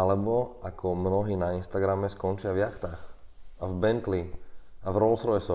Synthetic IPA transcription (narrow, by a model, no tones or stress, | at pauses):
alɛbɔakʰɔmnɔɦiːnainst̪aɡɾamɛskɔnt͡ʃɪavjaxt̪aːxavbɛnt̪liavɾɔlsɾɔɛsɔ